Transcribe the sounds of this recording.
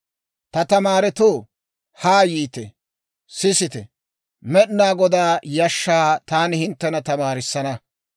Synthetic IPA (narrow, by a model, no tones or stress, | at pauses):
t̪ɐt̪ɐmaːɾɛt̪oː | haːjiːt̪ɛ | sɪsɪt̪ɛ | mɛɗnaːɡɔd̪aːjɐʃːaːt̪aːnɪhɪnt̪ːɛnɐt̪ɐmaːɾɪsːɐnɐ